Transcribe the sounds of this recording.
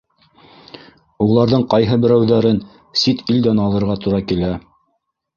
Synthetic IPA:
ulˠɑɾðɤɴqɑjɦɤbɘ̆ɾæwðæɾɘn | sit̪ild̪ænɑlˠɤ̆ɾʁɑt̪uɾɑkilæ

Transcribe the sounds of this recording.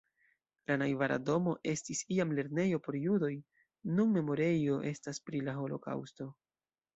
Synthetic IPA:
lanajvaɾa̰do̞mo̞ʔe̞stisiamle̞ɾne̞jo̞po̞ɾjudo̞j | nunme̞mo̞ɾe̞jo̞ʔe̞staspɾilaɦo̞lo̞̰ka̰wsto̞

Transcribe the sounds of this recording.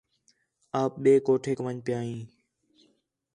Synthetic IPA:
aːp̚ɓeːkoːʈʰeːkəʋəɲpɪjaːɦĩː

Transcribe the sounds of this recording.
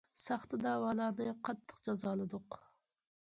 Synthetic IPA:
sɑχt̪ɨd̪ɑːwɑːlˠɑːnɨqʰɑt̪ʰːə̥qd͡ʒɑzɑːlˠɨd̪ʊq

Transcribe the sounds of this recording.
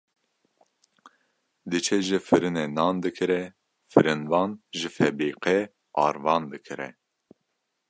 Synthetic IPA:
d̪ɨt͡ʃʰɛʒɨfɨɾɨnenɑːnd̪ɨkʰɨɾɛ | fɨɾɨnvɑːnʒɨfɛbiːqɛ | ɑ̰ːɾvɑːnd̪ɨkʰɨɾɛ̰

